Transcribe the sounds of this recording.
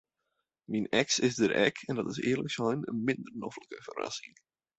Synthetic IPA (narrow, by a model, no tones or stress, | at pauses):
minɛksɪsdəɾʔɛ̰kʰɛndɑtɪsɪːrlə̰ksɔjnə̰nmɪndərnɔfləkəvəra̰sɪŋ